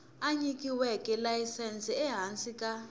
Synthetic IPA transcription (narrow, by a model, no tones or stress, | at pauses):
aɲik̬ʼiwɛkʼɛlajisɛnsiɛɦansʼikʼa